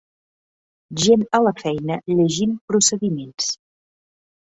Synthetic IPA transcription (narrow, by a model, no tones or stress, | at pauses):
ʒenələfɛjnəʎəʒimpɾusəðimens